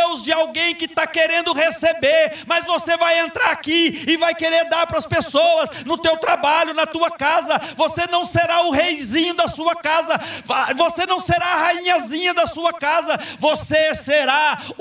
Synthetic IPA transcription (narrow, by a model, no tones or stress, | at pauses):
wzd͡ʒɪawɡẽj̃kɪt̪akeɾẽnd̪ʊhesebeɾmɐzvosevajẽnt̪ɾaɾakiɪvajkeɾeɾd̪aɾpɾɐspesowɐsnʊt̪ewt̪ɾabaʎʊnɐt̪uɐkazɐvosenɐ̃w̃seɾaʊɦejzĩɲʊd̪ɐsuɐkazɐvosenɐ̃w̃seɾaːhaĩɲɐzĩɲɐd̪ɐsuɐkazɐvoseseɾa